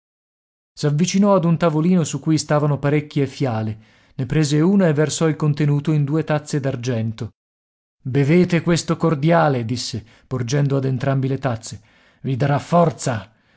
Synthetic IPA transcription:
savːit͡ʃinɔad̪unt̪avoliːnosukːujst̪aːvanopaɾekːiefːjaːle | nepɾeːzeuːnaevːersɔilkont̪enuːt̪oind̪uːet̪at̪sːed̪ard͡ʒɛnt̪o | beveːt̪ekwest̪okord̪jaːled̪isːe | pord͡ʒɛnd̪oad̪ent̪ɾambilet̪at̪sːe | vid̪aɾafːɔrt̪sa

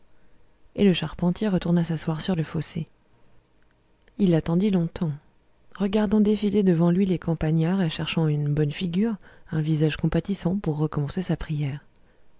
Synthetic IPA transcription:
eləʃaʁpɑ̃t̪jeʁət̪uʁnasaswaʁsyʁləfose | ilːat̪ɑ̃d̪ilɔ̃t̪ɑ̃ | ʁəɡaʁd̪ɑ̃d̪efiled̪əvɑ̃lɥilekɑ̃paɲaʁeʃɛʁʃɑ̃ynbɔnfiɡʲyʁɛ̃vizaʒkɔ̃pat̪isɑ̃puʁːəkɔmɑ̃sesapχijɛːʁ

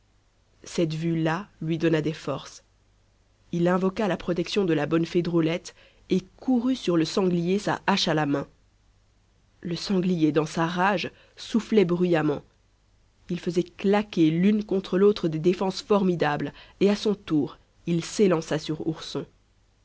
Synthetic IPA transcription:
sɛt̪vylalɥid̪ɔnad̪ɛfɔʁs | ilɛ̃vɔkalapχɔt̪ɛksjɔ̃d̪əlabɔnfed̪ʁolɛt̪ | ekuʁysyʁləsɑ̃ɡlijesa̰ʔaʃalamɛ̃ | ləsɑ̃ɡlijed̪ɑ̃saʁaʒ | suflɛbʁyjamɑ̃ | ilfəzɛklakʲelynkɔ̃t̪χəlot̪χəd̪ed̪efɑ̃sfɔʁmid̪ableasɔ̃t̪uːʁ | ilselɑ̃sasyʁṵʁsɔ̃

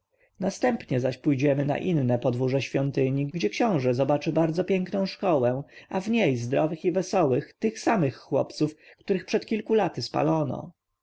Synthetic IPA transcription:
nast̪ɛmpɲɛzaɕpujd͡ʑɛmɘna̰ʔinːɛpɔd̪vuʐɛɕfʲjɔnt̪ɘɲiɡd͡ʑɛkɕɔ̃w̃ʐɛzɔbat͡ʂɘbaɾd̪zɔpʲjɛŋknɔ̃w̃ʂkɔwɛavɲejzd̪ɾɔvɘxivɛsɔwɘxt̪ɘxsamɘxːwɔ̰pt̪sufkt̪uɾɘxpʂɛt̪kʲilkulat̪ɘspa̰lɔnɔ̰

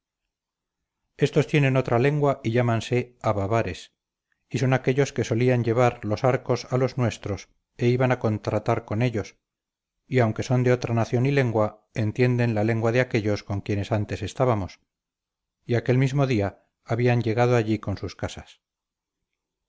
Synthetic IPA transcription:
e̞st̪o̞st̪jenẽ̞no̞t̪ɾale̞ŋɡwaʔiʎamanse̞aβaβaɾe̞s | iso̞nake̞ʎo̞ske̞so̞liaɲɟe̞βaɾlo̞saɾko̞salo̞znwe̞st̪ɾo̞s | e̞iβanako̞nt̪ɾat̪aɾko̞ne̞ʎo̞s | iawŋke̞so̞nd̪eot̪ɾanaθjo̞nile̞ŋɡwa | e̞nt̪je̞nd̪e̞nlale̞ŋɡwaðeake̞ʎo̞sko̞ŋkje̞ne̞sant̪e̞se̞st̪aβamo̞s | iake̞lmizmo̞ðia | aβiaɲɟe̞ɣað̞oaʎiko̞nsuskasas

